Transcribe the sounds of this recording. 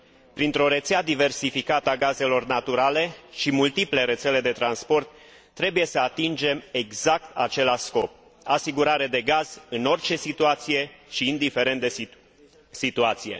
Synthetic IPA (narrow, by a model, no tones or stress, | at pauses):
pɾint̪ɾo̞ɾe̞t̪sead̪ive̞rsifikat̪əaɡaze̞lo̞rnat̪uɾale̞ʃimult̪iple̞ɾe̞t̪se̞le̞d̪e̞t̪ɾanspo̞rt̪ː | ɾe̞buje̞səat̪ind͡ʒe̞me̞ɡzak̚t̪at͡ʃe̞laʃsko̞p̚ | asiɡuɾaɾe̞d̪e̞ɡaz̥ɨno̞rt͡ʃe̞sit̪uat̪sije̞ʃiːnd̪ife̞ɾe̞nt̪d̪e | sit̪uat̪sije̞̰